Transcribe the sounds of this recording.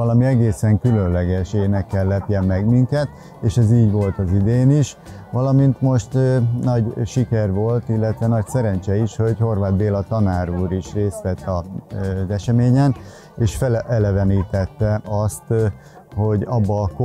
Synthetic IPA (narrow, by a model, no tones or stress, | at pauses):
ɒlɒmiɛɡeːsɛŋkylø̞nlɛɡɛʃeːnɛkːɛlːɛp̪jɛmːɛɡmiŋkɛt̪ | eːʃɛziːɟʋo̞lt̪ɒzid̪eːniʃ | ʋɒlɒmint̪mo̞ʃt̪nɒɟʃikɛrʋo̞lt̪ilːɛt̪ʋɛnɒcsɛɾɛnt͡ʃɛiʃho̞ɟho̞rvaːd̪d̪eːlɒt̪ɒnaːɾuːɾiʃreːst̪lɛt̪ːɒzɛʃɛmeːɲɛn | eːʃfɛlʔɛlɛvɛniːt̪ɛt̪ːɛʔɒst̪ | ho̞ɟɒbːɒk